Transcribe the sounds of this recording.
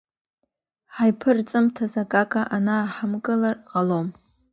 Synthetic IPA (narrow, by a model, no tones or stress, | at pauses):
ħajpʰɨrt͡sʼɨmtʰazakʼakʼaʔanaːħamkʼɨlarqʼalom